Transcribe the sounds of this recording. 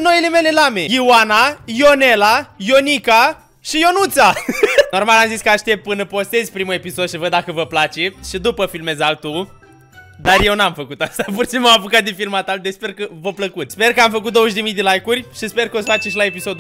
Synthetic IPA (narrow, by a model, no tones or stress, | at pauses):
no̞ile̞me̞le̞lame̞iwanajo̞nelajo̞nika | ʃijo̞nut̪sano̞rmalamziskəaʃt̪e̞p̚t̪̚pɨnəpo̞st̪e̞zʲpɾimue̞piso̞d̪ʃivəd̪ːakəvəplat͡ʃe̞ʃid̪upəfilme̞zalt̪u | d̪arje̞wnamfəkut̪ast̪apursinmoapukat̪̚d̪efilmat̪ad̪espe̞rkəvopləkut̪spe̞rkəamfək̬ut̪̚d̪oəʃ̬d̪emijd̪e̞lajkurʲʃispe̞rkəo̞sfat͡ʃeʃilae̞piso̞d̪